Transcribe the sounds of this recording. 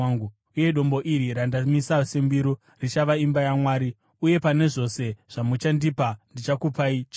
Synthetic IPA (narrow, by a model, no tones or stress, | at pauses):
ɡu | uje̞ɗo̞mbo̞ʔiɾiɾandamisasembiɾo | rit͡ʃaʋaimbajamwaːɾi | uje̞pane̞ʐo̞se̞ʐ̥amut͡ʃandipandit͡ʃakupait͡ʃa